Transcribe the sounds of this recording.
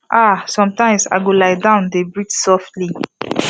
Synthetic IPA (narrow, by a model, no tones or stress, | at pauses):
ʔasɔ̃mtãɪ̃msa̰ɪɡolaɪdãʊ̃ndebɹitsɔftli